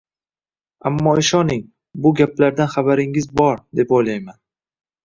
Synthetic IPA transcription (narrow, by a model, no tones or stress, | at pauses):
amːɒɪʃɒnɪŋ | bʊɡʲaplaɾd̪anχabaɾɪŋɪzbɒɾd̪e̞pojlajman